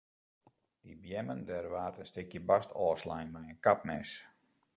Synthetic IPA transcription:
d̥ibjɛməndɛrʋaːtənstɪkjəbastʰɔːslɛjnmɛjənkap̚nɛs

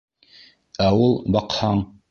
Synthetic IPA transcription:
æulˠbɑqhɑɴ

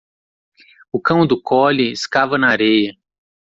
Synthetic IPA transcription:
ʊkɐ̃w̃d̪ʊkɔlɪɪskavɐnɐaɾejɐ

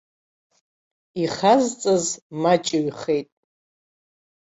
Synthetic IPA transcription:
iχazt͡sʼɨzmat͡ʃʼɪɥχe̞jtʼ

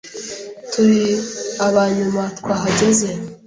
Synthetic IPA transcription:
tʰuɾiaβaɲumatkwaːɦaɟeze

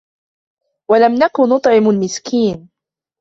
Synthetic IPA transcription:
walamnakʊnːʊt̪ˤʕɪmalmɪskiːn

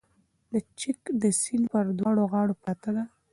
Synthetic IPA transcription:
d̪ət͡ʃɪkd̪əsilpəɾd̪wɑɽoɣɑɽopat̪ad̪a

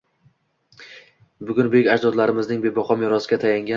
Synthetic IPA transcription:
bʊɡʲʊnbekʲad͡ʒd̪ɒd̪laɾɪmɪznɪŋbe̞bɒχɒmjɒɾɒsɪɡʲat̪ʰajaŋɡʲa

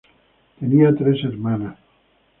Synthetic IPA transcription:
t̪eniat̪ɾeseɾmanas

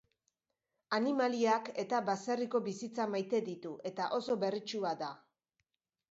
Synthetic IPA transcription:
animaliake̞t̪abaseriko̞βisit͡samajt̪e̞ðit̪uʔe̞t̪aʔo̞so̞βe̞rit͡ʃuad̪a

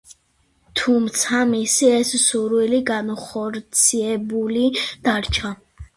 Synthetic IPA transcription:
t̪ʰumt̪sʰamisiɛssuɾwiliɡanχɔɾt̪sʰiɛbulid̪̥aɾt͡ʃʰa

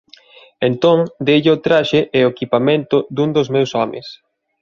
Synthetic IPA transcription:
ent̪oŋd̪eʎɪʊt̪ɾaʃeʔɛoekipamẽnt̪ʊd̪uŋd̪ozmewsɔmɪ̰s

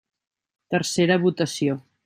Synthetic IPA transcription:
t̪əɾseɾəβut̪əsio

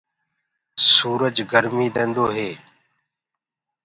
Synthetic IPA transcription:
suːɾəd͡ʒɡəɾmiːd̪ẽːnd̪oːɦeː

